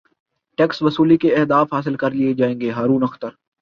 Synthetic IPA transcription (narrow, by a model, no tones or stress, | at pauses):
ʈɛːksʋɐsuːlikeɛɦd̪aːfɦaːs̬ɪlkɐɾlied͡ʒaːẽːŋɡeɦaːɾũːnɐxt̪əɾ